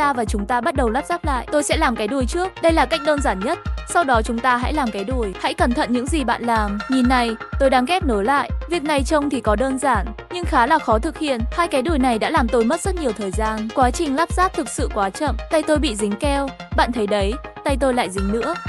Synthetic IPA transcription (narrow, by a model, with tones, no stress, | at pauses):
aː˧vaː˨˩t͡ɕʊ˨˦ŋ͡mt̪aː˧ɓa˦˥t̚ɗə˨˩wlaː˦˥p̚zaː˦˥p̚la̰ː˧˨ʔt̪o˧jsɛ̰˧˥laː˨˩mkaː˨˦jɗu˨˩əjt͡ɕɨ˦˥ək̚ɗə˧jlaː˨˩ka˦˥jk̟̚ɗəː˧nzaː˧˩nɲə˦˥t̚sa˧wɗɔ˨˦t͡ɕʊ˨˦ŋ͡mt̪aː˧ɦa̰˧˥jlaː˨˩mkaː˨˦jɗu˨˩əjha̰˧˥jkə˨˩nt̪ʰə̰˧˨nɲɨ̰˧˥ŋzi˨˩ɓa̰ː˧˨nlaː˨˩mɲi˨˩nːa˨˩jt̪o˧jɗaː˨˦ŋkɛ˦˥p̚no˨˦jla̰ː˧˨jvi˨˩ək̚na˨˩jt͡ɕə˧wŋ͡mt̪ʰi˨˩kɔ˨˦ɗəː˧nzaː˧˩nɲɨ˧ŋxaː˨˦laː˨˩xɔ˨˦t̪ʰɨ˨˩k̚hḭ˧˨ənhaː˧jkaː˨˦jɗu˨˩əjna˨˩jɗa̰ː˧˥laː˨˩mt̪o˧jmə˦˥t̚z̥ə˦˥t̚ɲi˨˩əwt̪ʰəː˨˩jzaː˧nkwaː˨˦t͡ɕï˨˩ŋ̟laː˦˥p̚z̥aː˦˥p̚t̪ʰɨ˨˩k̚sɨ̰˧˨kwaː˨˦t͡ɕə̰˧˨mt̪a˧jt̪o˧jɓḭ˧˨zï˨˦ŋ̟kɛ˧wɓa̰ː˧˨nt̪ʰə˨˦jɗə˨˦jt̪a˧jt̪o˧jla̰ː˧˨jzï˨˦ŋ̟nɨ̰˧˥ə